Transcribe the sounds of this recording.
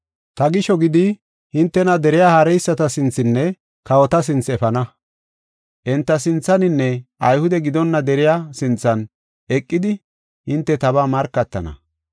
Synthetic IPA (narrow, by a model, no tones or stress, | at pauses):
t̪ɐɡɪʃɔɡɪd̪ɪ | hɪnt̪ːɛnɐd̪ɛɾɪjaːhaɾɛjsːɐt̪ɐsɪnt͡sːɪnːɛ | kɐwɔt̪ɐs̬ɪnt͡sɛfɐnɐ | ʔɛnt̪ːɐsɪnt͡sːɐnɪnːɛʔɐjhʊd̪ɛɡɪd̪ɔnːɐd̪ɛɾɪjasɪnt͡sːɐn | ɛkʼːɪd̪ɪ | hɪnt̪ːɛt̪ɐβaːmɐɾkːɐt̪ːɐ̰nɐ̰